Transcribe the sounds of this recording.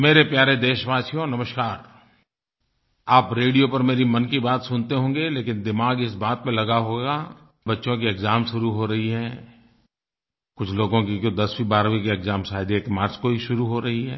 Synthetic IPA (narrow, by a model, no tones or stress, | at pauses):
meːɾepjaːɾed̪eːʃbaːsijõnɐməʃkaːɾ | aːpɾeːɽijopɐɾmeːɾimɐnkibaːt̪sʊnt̪eɦõːŋɡeleːkɪnd̪ɪmaːɡɪs̬baːt̪̚mẽlɐɡaɦoːɡaː | bɐtːʃõk̬iekɡzaːmʃʊɾuɦoɾɐɦiɦɛː | kʊt͡ʃʰloːɡõkikod̪ɐswibaːɾwikeekzaːmsaːɦd̪eekmaːɾt͡ʃkoɦiʃʊɾuɦoɾɐɦiɦɛː